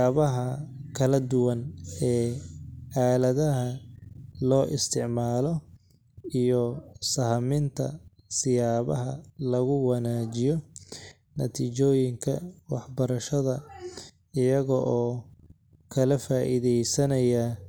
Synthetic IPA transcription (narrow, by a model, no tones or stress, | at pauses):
βɐɦɐkʰɐlɐd̪ʊwɐnɛː | aːlɐðɐɦɐ | lɔːʔɪst̪ʰɪʕmaːlɔ | ijɔsɐhmɪnt̪ʰɐ̰ | sɪjaːβɐɦɐ̰lɐɣʊwɑnaːt͡ʃɪjɔ | nɐt̪ʰiːt͡ʃɔːjɪŋkʰɐ̰wɑħbɐɾɐʃɐðɐ | ɪjɐɣɔʔɔː | kʰɐlɐfaːʔḭðɛjsɐnɐja